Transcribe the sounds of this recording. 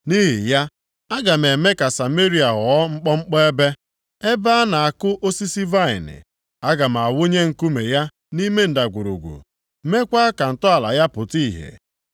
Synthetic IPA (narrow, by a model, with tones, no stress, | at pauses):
ni˦ɦḭ˨ja˦ | a˦ɡa˨m̩˨e˨me˦ka˨sa˨me˦ɾi˨a˨ɦɔ˨ɔ˦ŋ͡m̩˦k͡pɔ˦ŋ͡m̩˦k͡pɔ˦e˦be˦ | e˦ba˦na˨a˨kʊ˦ʔo˦si˦si˦va˦˨ɪ̰˨nɪ̰˨ | a˦ɡa˨m̩˨a˨wʊ˦ɲe˦ŋ̩˨ku˦me˨ja˦ | ni˦me˦n̩˨da˨ɡʷu˨ɾṵ˨ɡʷṵ˨˦ | me˦kʷa˦ka˨n̩˨tɔ˦a˨la̰˨ja˦pʊ˨ti˦˨ɦḛ˨